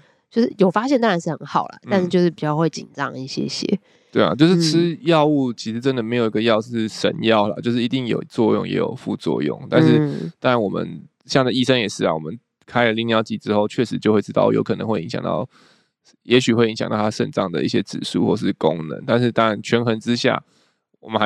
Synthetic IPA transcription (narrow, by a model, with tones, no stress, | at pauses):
t͡ɕjo˥˧ʊʂ̩˥˩jo˨˩ʊfa˥ɕjɛ˥˩nt̪ɑ˥ŋɻa˨˧nʂɻ̩˥˩hə˧˦nxɑ˨˩ʊlə̰˩t̪nʂɻ̩˥˩t͡ɕjo˥˧ʊʂɻ̩˥˩pi˨˩t͡ɕjɑ˥˧xwe˥˩ɪt͡ɕḭ˨˩nʈ͡ʂɑ̰˥˦ŋi˥˩ɕjɛ̰˥ɕjɛ̰˦ | t̪we˥˩ɪa̰˨˩t͡ɕjo˥˧ʂɻ̩˩˥˧ʈ͡ʂʰɻ̩˥jɑ˥˧ʊu˥˩t͡ɕʰi˧˥ʂɻ̩˧˥ʈ͡ʂə˦nd̪ə˨me˧˥jo˨˩i˧˦ɡə˧jɑ˥˧ʊʂ̩˥˩ʂə̰˧˦njɑ˥˩ʊlə̰˩t͡ɕjo˥˧ʊʂɻ̩˥˩i˧t̪i˥˩ŋjo̰˨˩ʊt͡swɔ˥˧jʊ̰˥˩ŋjɛ̰˧˥jo̰˨˩ʊfṵ˥˧t͡swɔ̰˥˧jʊ̰˥˨˩ŋt̪a̰˥˧nʂɻ̩˥˩t̪ɑ˥ɻa˧˦nwɔ˨˩mə̰˦n | ɕjɑ˥˩ŋd̪ə˨i˥˩ʂə˥ŋjɛ˨˩ʂɻ̩˥˩l̰wɔ̰˨mə˦n | kʰa˥ɪlə˨li˥˩ŋnjɑ˥˧ʊt͡ɕi˧˥˩ʈ͡ʂɻ̩˥xo˥˧ʊt͡ɕʰɥɛ˥˩ʂɻ̩˧˥t͡ɕjo˥ʊxwe˥˩ɪʈ͡ʂɻ̩˥t̪ɑ˥˩ʊjo̰˧˥ʊkʰɤ˨˩nə̰˧˦ŋxwe˥˩ɪi˧˥ŋɕjɑ̰˨˩ŋt̪ɑ̰˥˩ʊ | jɛ˧˥ɕy˨˩xwe˥˩ɪi˧˥ŋɕjŋt̪ɑ˥˩a˥ʂə̰˥˩nʈ͡ʂɑ̰˥˩ŋd̪ə̰˩ḭ˥˩ɕjɛ˦˥ʈ͡ʂɻ̩̰˨˩ʂṵ˥˧xwɔ˥˩ʂɻ̩˥˩ko̰˦ŋnə̰˧˦nt̪a˥˧nʂ̬ɻ̩˥˩t̪ɑ˥ŋa˧˦nt͡ɕʰɥɛ˧˥nxə˧˥nʈ͡ʂɻ̩˥ɕja̰˥˩ | wɔ̰˨˩mə˨˦nx